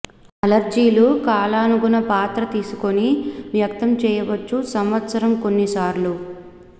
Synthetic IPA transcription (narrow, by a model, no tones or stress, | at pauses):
ɐlɐɾd͡ʒiːlukaːlaːnuɡunɐpaːt̪ɾɐt̪iːsu̥koniʋjɐk̚t̪ɐmt͡ʃɛːjɐʋɐt͡ʃːusɐmʋɐt̪sɐɾɐmko̞nːisaːɾlu